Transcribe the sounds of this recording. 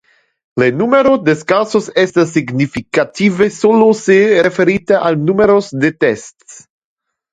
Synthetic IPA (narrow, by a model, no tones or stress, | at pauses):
lenumeɾod̪eskasosest̪as̬ːiɡnifikat̪ivesoloseɾefeɾit̪aʔalnumeɾosd̪et̪ests